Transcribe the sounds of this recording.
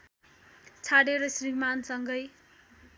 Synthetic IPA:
t͡sʰaɽeɾʌsrimansʌŋɡʌj

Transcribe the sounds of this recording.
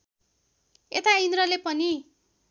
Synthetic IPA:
et̪aind̪ɾʌlepʌni

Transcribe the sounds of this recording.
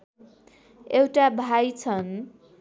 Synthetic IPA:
ewʈabʱajt͡sʰʌn

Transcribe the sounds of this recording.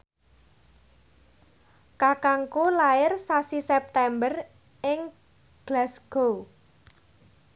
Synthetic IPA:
kakaŋkulaɪrsasisɛp̚t̪ɛmbər | ɪŋ | ɡ̥lasɡ̥o

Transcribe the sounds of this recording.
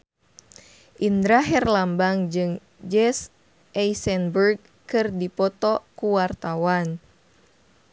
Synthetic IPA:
ʔind̪ɾaɦɛrlambaŋd͡ʒɨŋ | d͡ʒɛs | ʔɛisɛnburɡ̚ | kɨrdipɔt̪ɔkuwart̪awan

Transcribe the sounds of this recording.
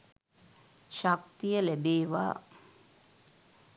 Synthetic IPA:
ɕak̚t̪ijəlebeːʋa̰ː

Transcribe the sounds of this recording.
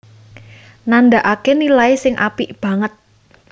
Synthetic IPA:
nand̪aʔakenilaisɪŋʔa̰pib̥ä̤ŋət̪̚

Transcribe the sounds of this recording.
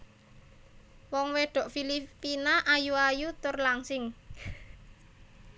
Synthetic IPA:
wɔŋweɖ̥ɔ̤ʔfilipinaʔajuajut̪ʊrlaŋsɪŋ

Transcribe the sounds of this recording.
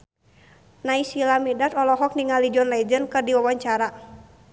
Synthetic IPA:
naisilamidat̪ɔlɔɦɔk̚niŋalid͡ʒɔnlɛd͡ʒənkɨrdiwawaɲt͡ʃaɾa

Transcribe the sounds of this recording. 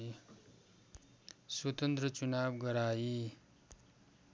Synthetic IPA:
swʌt̪ʌnt̪rʌt͡sunabɡʌɾaji

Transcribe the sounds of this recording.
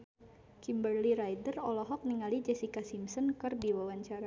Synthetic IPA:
kimbərliɾajdərɔlɔɦɔk̚niŋalid͡ʒɛsikasimsɔnkərdiwawaɲt͡ʃaɾa

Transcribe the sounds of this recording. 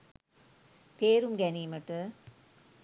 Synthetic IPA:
t̪eːɾɯmɡɛnimɐʈːɯ

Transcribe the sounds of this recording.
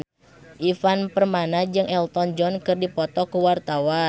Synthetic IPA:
ʔifanpərmanad͡ʒɨŋɛlt̪ɔnd͡ʒɔnkɨrdipɔt̪ɔkuwart̪awa

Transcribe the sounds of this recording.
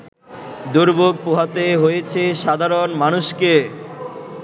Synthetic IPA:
d̪uɾboɡ̚puɦat̪eɦojet͡ɕʰeʃad̪ʱaɾonmanuʃke

